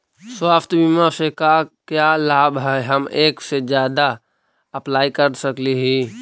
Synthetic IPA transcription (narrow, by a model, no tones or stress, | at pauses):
swaːft̪biːmãsekakjaːlaːbɦɛɦɐmeːksed͡ʒjaːd̪a | ɐplaːikəɾsəkliɦiː